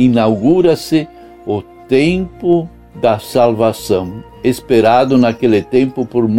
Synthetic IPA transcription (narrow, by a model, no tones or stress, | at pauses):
inawɡuɾɐsɪ | ʊt̪ẽmpʊ | d̪ɐsalvasɐ̃w̃ | espeɾad̪ʊnakelɪt̪ẽmpʊpoɾm